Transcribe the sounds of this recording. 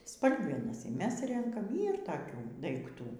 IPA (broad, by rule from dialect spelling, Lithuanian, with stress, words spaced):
ˈspɐlʲɡʲɛnɐs iː ˈmʲɛs ˈrʲɛŋkɐm ˈiːr toːˈkʲuː dɐɪkˈtuː